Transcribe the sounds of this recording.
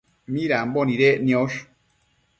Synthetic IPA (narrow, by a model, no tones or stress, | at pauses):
miɾambɔniɾeʔnioʃ